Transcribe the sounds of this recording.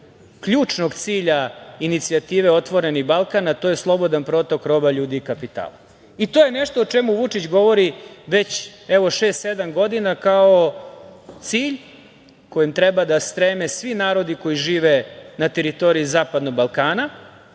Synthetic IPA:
kʎuːt͡ʂno̞ɡt̪siːʎainit̪siat̪iːʋe̞ot̪ʋo̞ɾe̞niɣbalˠkanat̪o̞je̞slˠo̞bo̞d̪anpɾo̞ːt̪o̞kɾo̞baʎuːd̪iːkapit̪a̰ːla | it̪oje̞neʃt̪oːt͡ʂemuʋut͡ʂit͡ɕɡo̞ʋo̞ɾiʋe̞t͡ɕeʋo̞ʂe̞ːst̪sed̪amɡo̞d̪inakao | t̪siːʎ | ko̞jimt̪ɾɛbad̪ast̪ɾeːmesʋinaːɾo̞d̪iko̞jiʒiːʋenat̪e̞ɾit̪o̞ɾiizaːpad̪noɡ̚balˠkaːna

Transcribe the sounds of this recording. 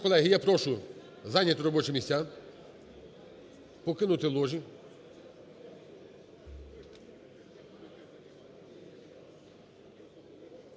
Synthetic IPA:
kɔlˠɛɦijapɾɔʃʊ | zɑnʲɐt̪ʊɾɔbɔt͡ʃɛmʲisʲtʲːa | pɔkɪnʊt̪ɪlˠɔʒi

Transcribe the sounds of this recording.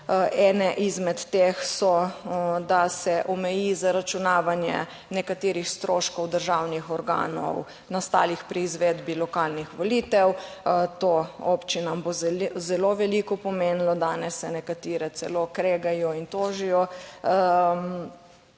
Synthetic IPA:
ɛːnɛʔizmɛt̪ːeːxsɔ | d̪asɛʔɔmɛjizaɾat͡ʃunaːʋanjɛ̰ | nɛkat̪eːɾixst̪ɾoːʃkɔwd̪əɾʒawnixɔɾɡa̰ːnɔ̰w | nast̪a̰ːlixpɾiːzʋed̪bilɔkaːlnixʋɔliːt̪ɛwt̪oo̰pt͡ʃinambozɛloʋɛliːkɔpɔmenlɔd̪aːnɛsːɛnɛkat̪iːɾɛt̪sɛ̰loːkɾeɡajɔint̪oːʒijɔ | m

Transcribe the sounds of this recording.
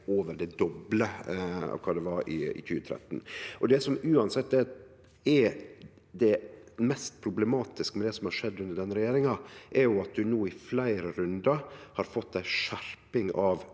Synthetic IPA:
oːʋəɾɖɛd̪ɔbləɑ̰ʋkʰɑːd̪ɛʋɑɾɪ̰ɪ̰tyːət̪ʰɾɛ̰t̪ːnʔɔd̪ɛsɔmʉːɑnsɛt̪ːɛ | ɛɾ | d̪ɛmɛst̪̚pʰɾʊblɛmɑːt̪ɪskəmɛd̪ɛsɔmhɑɾʂɛd̪ːʉnd̪əɖɛnəɾɛjeːɾɪŋɑʔɛɾjʊɑt̪̚d̪ʉnuːɪflæɪɾəɾʉnd̪ɑhɑɾfɔt̪d̪æɪʂæɾpɪŋɑʋ

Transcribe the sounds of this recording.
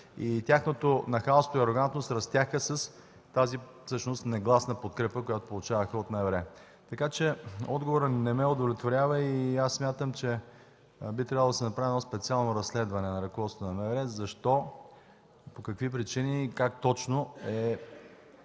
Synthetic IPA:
it̪ʲjaxnot̪onɐxalˠst̪oiɐɾoɡant̪nost̪ɾɐst̪ʲjaxəsɐs | t̪azi | fsɤʃnost̪nɛɡlˠasnəpot̪̚kɾɛpəkojat̪o̥polˠʊt͡ʃavəxəot̪mɛɛvɾɛ | t̪ɐkat͡ʃɛɔd̪ɡovoɾənɛmɛod̪ovlʲɛt̪voɾʲavəiasːmʲjat̪əmt͡ʃɛ | bit̪ɾabvəlˠd̪ɐsɛnɐpɾavʲinɔspɛt̪sialˠnoɾɐslɛd̪vɐnɛnɐɾɐkovɔt̪t̪nɐmɛvɾɛzɐʃt̪ɔ | pokɐkvipɾit͡ʃinikak̚t̪ɔt͡ʃnoɛ

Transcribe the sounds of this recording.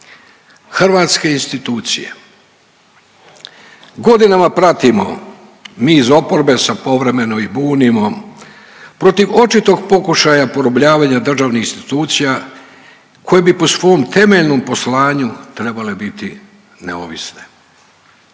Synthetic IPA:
xr̩ʋaːt̪ske̞inst̪it̪uːt̪sḭje̞̰ | ɡo̞d̪inamapɾat̪imo̞̰ | miːzo̞po̞ɾbe̞sapo̞ʋɾe̞me̞noibuːnimo̞ | pɾo̞t̪iʋo̞t͡ʃit̪o̞ɡ̚po̞kuʃajapo̞ɾobʎaːʋaɲad̪r̩ʒaːʋnixinst̪i̥t̪uːt̪sija | kʰo̞je̞bipo̞sʋo̞jomt̪e̞me̞ʎno̞mpo̞slaːɲut̪ɾe̞bale̞bit̪i | nḛo̰ʋḭsne

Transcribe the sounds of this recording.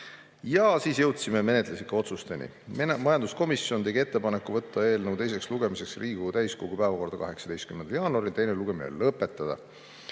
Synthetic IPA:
jɑsiːsjɤwt̪simeme̞ne̞t̪ˑlesikːɑo̞t̪sust̪e̞nʲḭ | mɑjɑnd̪usko̞misˑjo̞nt̪e̞ɡie̞t̪ːe̞pɑne̞kːuvɤ̞t̪ːɑe̞ːlnəwt̪e̞js̬e̞ksluɡ̥e̞mise̞ksriːɡ̥ut̪æjskoɡ̥upæevɑko̞rd̪ɑkɑɦe̞ksɑd̪ejst̪kymːend̪ɑljɑːnuɑɾilt̪e̞jneluɡ̥e̞minḛlɤpːˑe̞t̪ːˑɑd̪̥ɑ̰

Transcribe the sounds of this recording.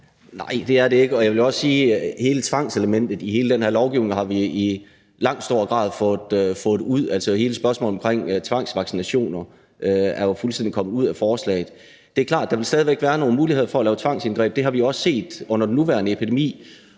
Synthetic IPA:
nɑ̈ɪ̰d̥e̝æɐɾe̝e̝ɡ̥əɒ̽jaʋe̝ljo̝ɒ̽sːiːhe̝ːlət͡sʰʋɑ̈ŋ̰seləmen̰d̥ð̩ˠiɦe̝ːləd̥enhe̝ɐ̰lɒʊɡ̥iʊne̝ŋɦɑ̈ʋii | lɑ̈ŋ̰d̥sd̥o̝ːɐɡ̥ʁɑ̈ːð̞ˠfɔ̽d̥øfɔ̽ːduð̰ˠælsəhe̝ːləsb̥ɶɐsmɔ̰ːlɒmkʰʁeŋ̰t͡sʰʋɑ̈ŋ̰sʋɑ̈ɡ̥sinæɕo̝̰ːnɐ | ʔøæɐjo̝fulsd̥end̥ikʰɒ̽mˠuð̞̰ˠæfɒːslɛ̰ɪð̩ˠ | d̥e̝æɐkʰlɑ̰̈ːd̥ɑ̈ʋelsd̥ɛːð̞ˠiʋeɡ̥ʋæːɐno̝ːn̩muːlihe̝ð̞̰ˠɐfɒ̽ɐlɛːʊt͡sʰʋɑ̈ŋ̰senɡ̥ʁɛ̰ːb̥̚d̥e̝ɦɑ̈ʋijoɒ̽sse̝̰ːd̥ɔ̽n̰ɐd̥enːuʋæːɐnəepʰid̥e̝mḭː

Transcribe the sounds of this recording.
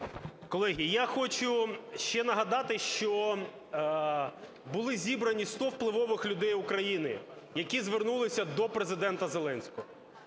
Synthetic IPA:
kɔlˠɛɦʲijaxɔt͡ʃʊʃt͡ʃɛnɐɦɐd̪ɑt̪ɪʃt͡ʃɔ | bʊlˠɪzʲibɾɐnʲist̪ɔwplˠɪʋɔʋɪxlʲʊd̪ɛjʊkɾɐjinɪ | jɐkʲizʋernulˠɪsʲɐd̪ɔpɾezɪd̪ɛnt̪ɐzelˠɛnʲsʲkɔɦɔ

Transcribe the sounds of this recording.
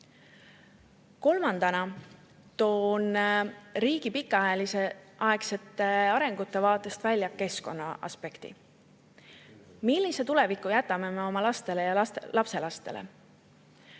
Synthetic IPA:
ko̞lmɑnd̪̥ɑnɑ | t̪o̞ːn | ɾiːɡ̥ipikːˑɑɑelise̞ʔɑe̞kse̞t̪ːˑe̞ɑɾe̞ŋɡ̥ut̪ːˑe̞vɑːt̪ːˑe̞st̪vælʲjɑke̞sko̞nːɑʔɑ̰spe̞kt̪ḭ | milːise̞t̪ule̞vikːˑujæt̪ːˑɑme̞me̞o̞mɑlɑst̪e̞le̞jɑɑlʔɑpse̞lɑst̪e̞̰lḛ

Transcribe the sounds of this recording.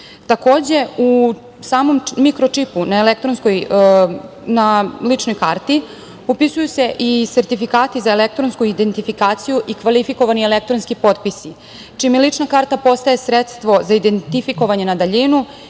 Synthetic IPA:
t̪ako̞ːd͡ʑe̞u | saːmo̞mːikɾo̞t͡ʂipunaelekt̪ɾonskoj | nalit͡ʂnojkaːɾt̪i | opisujuse̞ʔiseɾt̪ifikaːt̪izaelek̚t̪ɾonskuid̪ent̪ifikaːt̪sijuʔikʋalifiko̞ʋanielek̚t̪ɾonskipo̞ːt̪pisi | t͡ʃimelit͡ʂnakaːɾt̪apo̞st̪aje̞sɾet̪st̪ʋo̞zaid̪ent̪ifiko̞ʋaɲe̞nad̪aʎinu

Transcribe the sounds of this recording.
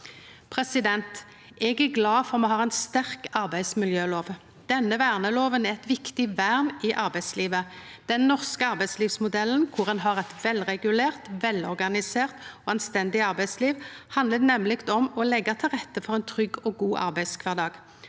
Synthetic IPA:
pʰʁɛsɪd̪ɛnt̪ | ɛɡæʁɡlɑːfɔʁmɛhɑːʁɛɪnst̪æʁkɑʁbæɪsmɪljøːloːʋ | d̪̥ɛnːəʋæːʁnəloːʋənæʁɛt̪ʋɪkt̪ɪʋæːʁmɪʔɑʁbæɪd̪sliːʋə | d̪̥ɛnːɔʁskəɑʁbæɪsliːʋsmʊd̪ɛlːən̩kʰʊʁɛnɦɑːʁɛt̪ʋɛlʁɛɡʉleːʁt̪ʋɛlɔʁɡɑnɪseːʁt̪oːɑnst̪ɛnd̪ɪɑʁbæɪsliːʋhɑnd̪ləd̪nɛmlɪɡt̪ɔmɔlɛɡɑt̪ʰɪlʁɛt̪ːəfɔʁɛɪnt̪ʰʁʏɡːɔɡuːʔɑ̰ʁbæɪskʰʋɑʁd̪ɑːɡ

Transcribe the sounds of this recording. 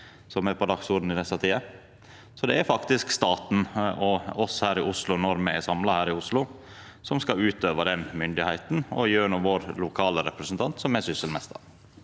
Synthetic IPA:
sɔmɛɾpʰɔd̪ɑɡsʊɾɖ̪n̩ɪnɛsɑt̪ʰiːə | sɔd̪ɛæɾfɑkt̪ɪskst̪ɑːt̪n̩ɔɔshæːɾɪʔʊslʊnɔɾmɛɛsɑmlɑhæːɾɪʊslʊ | sɔmskɑʉːt̪øːʋəɖɛnmʏnd̪ɪhæɪt̪n̩ɔ̰jøːɳʊʋoːɾlʊkʰɑːləɾɛpɾəsnt̪ʰɑnt̪sɔmɛɾsʏsəlmɛst̪ə̰ɾ

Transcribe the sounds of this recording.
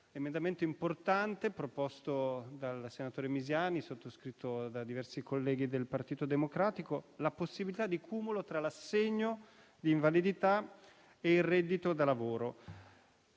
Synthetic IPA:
lemẽnd̪ament̪oimport̪ant̪epɾopɔst̪od̪alsenat̪oːɾemizjaːnisot̪ːoskɾit̪ːod̪ad̪ivɛrsikolːɛːɡid̪elpart̪iːt̪od̪emokɾaːt̪ikolaposːibilit̪ad̪ːikʰuːmulot̪ɾalasːeɲːo | d̪iːɱvalid̪it̪a | eilrɛd̪ːit̪od̪alavoːɾo

